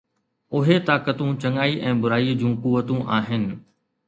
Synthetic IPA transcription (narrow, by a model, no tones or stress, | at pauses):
ʊɦet̪aːkət̪ũt͡ɕɐ̃ŋaːiʔɛ̃ːbʊɾaːid͡ʑũːkuʋət̪ũʔaːɦɪnɪ̆